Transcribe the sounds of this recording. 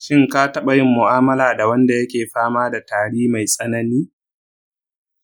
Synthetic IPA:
ʃɪ˦ŋka˦tɐ˦ɓa˨jɪ˦mːʊ˨ʔaː˦mɐ˦laː˨da˨wɐ˦nda˨jɐ˦kʲeː˨ɸaː˦maː˦da˨taː˨ɽiː˦ma˨jsʼɐ˦nɐ˦niː˦

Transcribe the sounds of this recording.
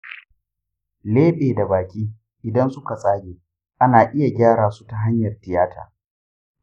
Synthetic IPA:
leː˦ɓeː˨da˨baː˨kʲiː˦ | ʔɪ˨dɐ˦nsʊ˦ka˨sʼaː˦ɡʲeː˨ | ʔa˦naː˨ʔɪ˦ja˨ɡʲaː˦ɽaː˨su̥˦ta˨ɦa˦ɲjɐ˨rtɪ˨jaː˦tʰa̰ː˨

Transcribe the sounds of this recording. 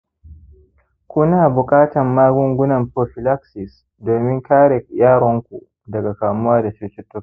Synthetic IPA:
kʷu˦naː˨bʊ˨kʼaː˦tɐ˨mːaː˦ɡʷʊ˦ŋɡʷʊ˦nɐ˨mpɾoː˨ɸɪ˨la˦ksɪ˨s | doː˨mɪ˦ŋkaː˦ɽɛ˨jaː˦ɽɔ˦ŋkʷu˨ | dɐ˨ɡa˨kaː˨mʊ˦waː˦da˨t͡ʃuː˦t͡ʃɪ˦tːʊ˦k

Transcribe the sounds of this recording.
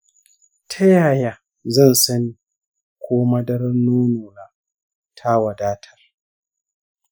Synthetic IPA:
tʰa˦jaː˨ja˦ | zɐ˦˨nsɐ˦ni˦ | kʷʰoː˦ma˦dɐ˦ɾɐ˦nːoː˦noː˨naː˦ | tʰa˦wa˨daː˦tʰɐ̥˨r

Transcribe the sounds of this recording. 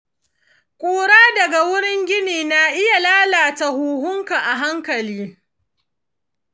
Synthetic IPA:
kʷʼoː˨ɽaː˦dɐ˨ɡa˨wʊ˦ɽɪ˦ŋɡʲɪ˦niː˨na˨ʔɪ˦ja˨laː˦laː˨ta˦huː˨ɦʊ˦ŋka˨ʔa˨ɦa˦ŋkɐ˨liː˦

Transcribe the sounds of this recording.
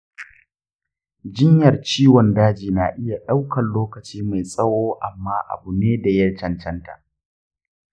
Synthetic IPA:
d͡ʒɪ˦ɲjɐ˨rt͡ʃiː˦wɔ˨ndaː˦d͡ʒiː˨na˨ʔɪ˦ja˨ɗa˦wkʰɐ˨nloː˦kɐ˨t͡ʃiː˦ma˨jsʼɐ˦woː˦ʔa̰˨mːaː˦ʔa̰˨bu˨neː˦da˨jɐ˦rt͡ʃɐ˨nt͡ʃɐ˦nta̰˨ʔ

